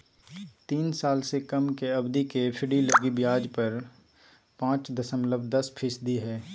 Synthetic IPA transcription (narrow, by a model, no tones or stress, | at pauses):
t̪iːnsaːlsekɐmkeɐbd̪ikepʰɪɽiləɡibjaːd͡ʒpɐɾ | pãːt͡ʃd̪ɐsəmləbd̪ɐspʰɪsd̪iɦɛː